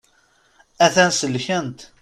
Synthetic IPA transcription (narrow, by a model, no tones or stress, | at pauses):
æθænsəlçənt̪